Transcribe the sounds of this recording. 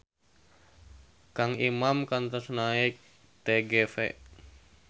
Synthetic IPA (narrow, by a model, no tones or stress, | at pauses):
kaŋimamkant̪ɔsnaik̚ | t̪ɛɡɛfɛ̰ʔ